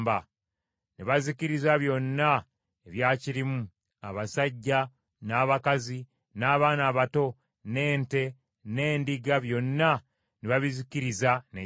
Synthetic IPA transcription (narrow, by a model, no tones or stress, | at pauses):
ba | niβaziciɾizaβjo̞nːa | eβjaːciɾimu | a̰βasaɟːa | naːβakazi | naːβaːnaːβato̞ | ne̞ːnte̞ | ne̞ːndiɡaβjo̞nːa | niβaβiziciɾizane